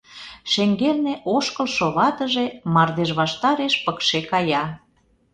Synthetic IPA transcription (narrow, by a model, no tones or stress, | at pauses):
ʃeŋɡerneʔoʃkə̆lʃoβɑt̪əʒemɑrd̪eʒβɑʃt̪ɑɾeʃpəkʃekɑjɑ